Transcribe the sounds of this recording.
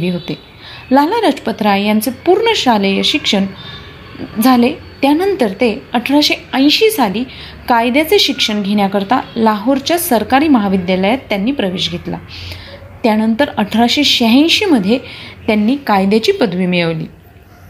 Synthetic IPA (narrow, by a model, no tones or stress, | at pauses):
ʋiːɦot̪e | lalaɾad͡ʑpət̪ɾajant͡sepuːɾɳəɕaləjəɕikʂəɳ | d͡zʱale | t̪janənt̪əɾt̪eəʈʰɾaɕeə̃j̃ɕiːsaliː | kajd̪jat͡seɕikʂəɳɡʱeɽ̃jakəɾt̪alaɦoɾt͡ɕjasəɾkaɾiːməɦaʋid̪jaləjat̪ːjanːiːpɾəʋeɕɡʱet̪la̰ | t̪janənt̪əɾəʈʰɾaɕeɕəɦə̃j̃ɕiːməd̪ʱjet̪janːiːkajd̪jat͡ɕiːpəd̪ʋiːmiɭəʋlḭː